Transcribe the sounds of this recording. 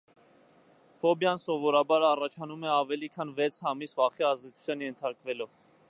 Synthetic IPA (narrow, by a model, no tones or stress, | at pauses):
fɔbjɑnsɔvɔɾɑbɑɾɑrɑt͡ʃʰɑnumɛɑvɛlikʰɑnvɛt͡sʰhɑmisvɑχiɑzd̪ɛt͡sʰu̥t͡sʰjɑnjɛnt̪ʰɑɾkvɛlɔv